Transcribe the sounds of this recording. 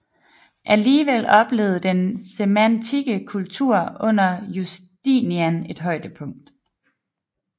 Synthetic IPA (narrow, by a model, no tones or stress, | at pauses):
ʔæliːʋel̰ɒ̽b̥le̝̰ːð̩ˠd̥ensemænt͡sʰiɡ̥əkʰult͡sʰuɐ̰ɔ̽n̰ɐjusd̥iːniæne̝d̥ɦɒ̽ɪd̥əpʰɔ̽ŋ̰d̥